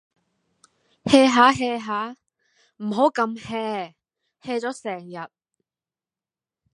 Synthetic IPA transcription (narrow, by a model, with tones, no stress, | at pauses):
hɛː˧ɦaː˨˥ɦɛː˧ɦaː˨˥ | m̩˨˩ɦo˨˥wkɐ˧mhɛː˧ | hɛː˧t͡sɔː˨˥sɛː˨˩ŋjɐ˨t̚